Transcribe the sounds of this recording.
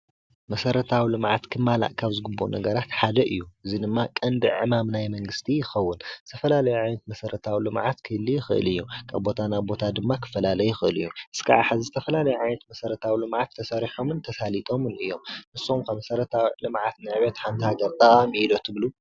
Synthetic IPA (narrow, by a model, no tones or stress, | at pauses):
mɐsɐɾɐt̪ʰawilɨmʕat̪kʰɨmːala̰ʔkʰaβzɨɡɨbːonʔɐ̰ɡɐɾat̪ħad̪ɐʔɨjːuʔɨzid̪ɨmːakʼɐnd̪ɨʕɨmamnajmɐŋɡɨst̪ʰijɪxɐwːʊnzɨt̪ʰɐfɐlalɐjuʕajnɐt̪mɐsɐɾɐt̪ʰawilɨmʕat̪kʰɨlijɪxɨ̰ʔɨ̰lɨjːukʰa̰βbo̞t̪ʰanaβbo̞t̪ʰad̪ɨmːakʰɨ̥fɐlalɐjuɪxɨɨlɨ̰jːuʔɨskʰa̰ʕaħazizɨt̪ʰɐfɐlalɐjuʕajnɐt̪mɐsɐɾɐt̪ʰawilɨmʕat̪ʰːɐsɐɾiħo̞mɨnt̪ʰɐsalit̪ʼo̞mɨnɨjːo̞mnɨsomkʰɐmɐsɐɾɐt̪ʰawilɨmʕat̪nɨʕɨβet̪ħant̪ʰihaɡɐɾt̪ʼɐqʼamilot̪ʰːɨblu